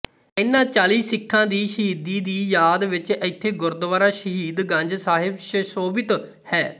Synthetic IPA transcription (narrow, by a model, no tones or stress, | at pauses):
ɪnːãːt͡ʃaːliːsɪkʰːãːd̪iːʃəɦiːd̪iːd̪iːjaːd̪ʋɪt͡ʃɪt̪ʰːeːɡʊɾd̪ʋaːɾaːʃəɦiːd̪ɡə̃ɲd͡ʒsaːɦɪbʃsoːbɪt̪ | hɛː